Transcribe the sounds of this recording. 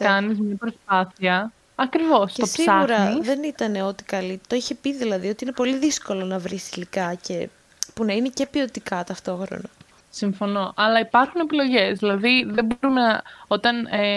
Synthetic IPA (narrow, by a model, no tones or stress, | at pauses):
kɐnizmɲɐpɾo̞spɐθiɐ | ɐkɾivo̞scet̪ossisɐɣuɾɐðe̞nit̪ɐne̞o̞t̪i̥kɐlit̪o̞içe̞piðilɐðio̞t̪iine̞po̞liðisko̞lo̞nɐvɾisilikɐce̞ | punɐine̞ce̞pio̞t̪ikɐt̪ɐft̪o̞xɾo̰nɐ | siɱfo̞no̞ʔɐlɐipɐɾxune̞pilo̞ʝe̞zðilɐðiðebo̞ɾumenɐo̞t̪ɐn